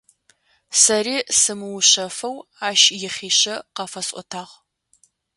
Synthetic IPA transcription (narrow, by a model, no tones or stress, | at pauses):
sɐriːsɨmɨwɕɐfɐwaːʃjɪχʲiːɕɐqɑfɐsʼʷɔ̰tʰaːʁ